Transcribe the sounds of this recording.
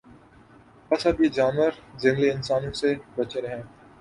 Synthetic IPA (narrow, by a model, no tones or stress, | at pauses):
pɐsɐbjed͡ʒaːnʋəɾzɪ̃ŋɡleɪnsaːnõsebɐt͡ʃeɾɛɦɛ̃ː